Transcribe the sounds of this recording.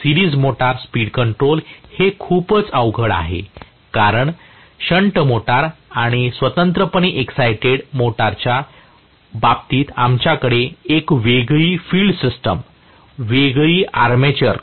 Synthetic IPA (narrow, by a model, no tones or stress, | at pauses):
siɾiːd͡zmoʈaɾspiːɽkəɳʈɾolhekʰuːpət͡səʋɡʱəɭa̰ɦḛ | kaɾəɳ | ɕəɳʈəmoʈaɾaɽ̃isʋət̪ənt̪ɾəpəniʔeksajʈeɽmoʈaɾt͡ɕja | bab̚t̪iːt̪amt͡ɕjakəɽeekʋeɡɭiːfiːlɖsisʈəm | ʋeɡɭiːʔaɾmet͡ɕəɾ